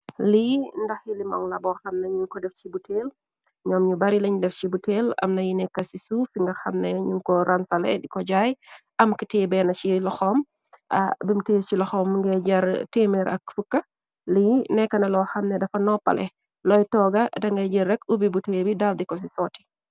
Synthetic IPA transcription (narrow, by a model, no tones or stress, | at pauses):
lindɐxjilimɔ̰ŋlɐbɔxɐmnɐɲuŋkɔdɛft͡ʃibutʰeːl | ɲɔmɲubɐɾilɐɲdɛft͡ʃibuteːlɐ̰mnɐjinɛkːɐsisufiŋɡɐxɐmnɛɲuŋkɔɾʔɐnsɐlɛ̰dikɔɟaːjʔɐmkiteːbɛnɐt͡ʃilɔxɔm | ʔɐ̰bimteːt͡ʃilɔxɔːmŋɡɛɟɐɾteːmɛɾʔɐ̰k̚fukːɐ | linɛkːɐnɐlɔːxɐmnɛdɐfɐnɔpːɐ̰lɛ̰ | lɔjtɔːɡɐdɐŋɡɐɟɐrːɛkubibuteːbidaldikɔs̬isɔːtːi̥